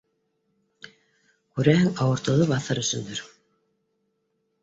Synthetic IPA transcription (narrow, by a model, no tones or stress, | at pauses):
kʉɾæhɘŋɑwɤ̆ɾt̪ɤ̆ðɤβɑθɑɾɵ̆sɵ̆nd̪ɵɾ